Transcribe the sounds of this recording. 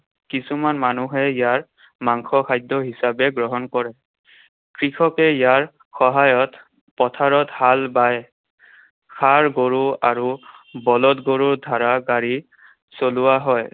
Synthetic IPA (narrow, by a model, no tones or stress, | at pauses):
kisumanmanuɦɛijaɹ | maŋxʰɔkʰajdɔɦisabɛɡɹɔɦɔnkɔɹɛ | kɹixʰɔkɛijaɹ | xɔɦajɔt | pɔtʰaɹɔthalbaj | xʰaɹɡoɹuaɹubɔlɔtɡoɹuɹdʱaɹaɡaɹi | solʊwaɦɔj